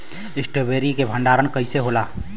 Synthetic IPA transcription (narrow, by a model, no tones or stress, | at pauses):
ɪsʈebeːɾikebʱə̃ɳɖaːɾənkəɪseɦolaː